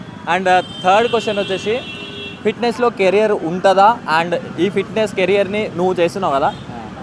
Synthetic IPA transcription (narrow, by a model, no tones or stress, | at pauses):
aɳɖt̪ʰɐɾɖkwesʈjɐnlot͡ʃeːsi | pʰiʈnesloːkeɾijɐɾuɳʈɐd̪aɐɳɖiːpʰiʈneskeɾijɐɾninuʋut͡ʃeːjst̪unːawkɐd̪a